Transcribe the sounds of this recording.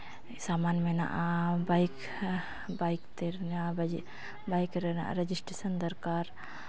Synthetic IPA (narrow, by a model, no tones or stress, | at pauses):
samanmena̰ʔabajk | bajkt̪eɾna | bajkɾena̰ʔɾed͡ʒisʈɾesənd̪əɾkaɾ